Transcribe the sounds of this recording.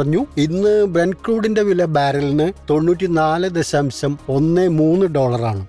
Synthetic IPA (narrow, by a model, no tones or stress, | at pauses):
rɐɲːuinːɨbrɐnɖkruːɽinde̞ʋilɐbaːɾɐlinɨt̪o̞ɳːuːtʲːinaːlɨd̪e̞ɕɐmɕɐmo̞nːemuːnːɨɖo̞ːɭɐraːɳɨ